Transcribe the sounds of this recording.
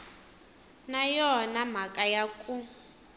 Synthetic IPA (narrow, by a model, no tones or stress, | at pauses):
najɔnam̤akʼajakʼu